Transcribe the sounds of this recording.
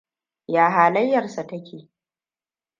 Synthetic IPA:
jaː˨ɦaː˨lɐ˦jːɐ˨rsa˨tɐ˦kʲeː˨

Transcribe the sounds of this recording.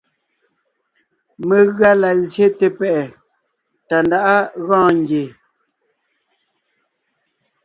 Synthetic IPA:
me˨ɣɰa˦la˨zje˦te˨pɛ˦˨ʔɛ˨ | ta˨nda˦ʔa˦ɣãː˦ŋɡje˨

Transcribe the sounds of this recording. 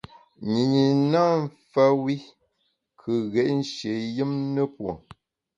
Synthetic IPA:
ɲi˨ɲi˨na˦m̩˦fa˦wi˦ | kʰɨ˨ɣɛ˨ʔn̩˦ʃe˨jɨ˦mnə˦pwo̰˨

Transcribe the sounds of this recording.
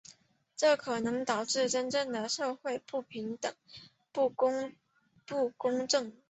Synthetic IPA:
ʈ͡ʂɤ˥˩kʰɤ˨˩nɤ˧˥ŋt̪ɑ˨˩ʊʈ͡ʂɻ̩˥˩ʈ͡ʂə˥nʈ͡ʂɤ˥˩ŋd̪ə˩ʂɤ˥˧xwe˥˧ɪpu˥˩pʰi˧˥ŋt̪ə˨˩ŋ | pu˥˩˥ŋ | pu˥˩kʊ˥ŋʈ͡ʂɤ˥˩ŋ

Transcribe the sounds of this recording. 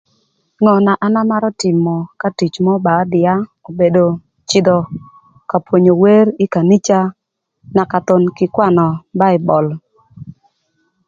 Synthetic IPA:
ŋɔ˨na˨ʔa˨na˦ma˦ɾɔ˦tɪ˨mɔ˨ka˦ti˨t͡ʃmɔ˦ba˨˦dɪ˨a˦o˨be˨do˨ | t͡ʃɪ˨d̪ɔ˨ | ka˨pwo˨ɲo˨we˦ɾɪ˦ka˨ni˦t͡ʃa˦ | na˨ka˨t̪o˨nkɪ˨kwa˦˨nɔ˨ba˦ɪ˨bɔ˨l

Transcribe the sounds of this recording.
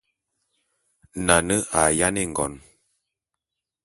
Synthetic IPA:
na˨nə˦ʔa˨ja˦ne˦ŋ̩˨ɡɔ̰˨n

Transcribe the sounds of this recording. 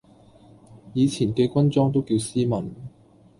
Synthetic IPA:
jiː˨˧t͡sʰiː˨˩nkɛː˧kʷɐ˥nt͡sɔː˥ŋt̪o˥wkiː˧wsiː˥mɐ˨˩n

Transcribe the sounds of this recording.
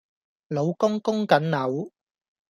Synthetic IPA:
lo˨˧wkʊ˥ŋkʊ˥ŋkɐ˨˥nnɐ˨˥w

